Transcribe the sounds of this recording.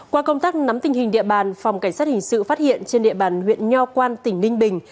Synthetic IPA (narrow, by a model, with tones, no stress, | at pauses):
kwaː˧kə˧wŋ͡mt̪aː˦˥k̚na˨˦mt̪ï˨˩ŋ̟hï̟˨˩ɗḭ˧əɓaː˨˩nfa˨˩wŋ͡mka˧˩ŋ̟saː˦˥t̚hï˨˩ŋ̟sɨ̰˧˨faː˦˥t̚hḭ˧˨ənt͡ɕe˧nɗḭ˧˨əɓaː˨˩nhwḭ˧˨ənɲɔ˧kwaː˧nt̪ï˧˩ŋ̟nï˧ŋ̟ɓï˨˩ŋ̟